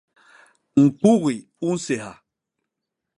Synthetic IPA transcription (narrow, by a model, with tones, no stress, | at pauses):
ŋ̩˨k͡pu˦ɣi˨ | u˦n̩˦se˨ha̰˨